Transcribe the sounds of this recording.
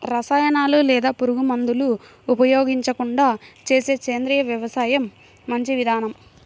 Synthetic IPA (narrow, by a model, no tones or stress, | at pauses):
ɾɐsaːjɐnaːlulɛːd̪aːpuɾuɡumɐnd̪uluː | pɐjo̞ːɡiɲt͡ʃɐkuɳɖaːt͡ʃe̞ːse̞ːt͡ʃeːnd̪ɾiːjɐʋjɐʋɐsaːjɐmː | ɐɲt͡ʃiʋid̪ʱaːnɐm